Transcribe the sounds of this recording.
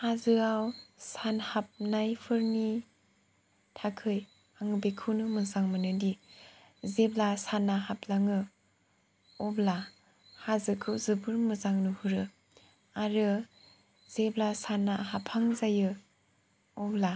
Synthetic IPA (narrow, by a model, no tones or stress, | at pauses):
hazɯawsanhap̚najpʰɯɾni | tʰakʰɯj | aŋɯbekʰɯwnɯmɯzaŋmɯnɯdi | zeblasanːaɦaplaŋɯ | ɔbla | hazɯkʰɯwzɯbɯɾmɯzaŋnɯhuɾɯ | aɾɯ | z̥eblasanaɦapʰaŋzajɯ | ɔbla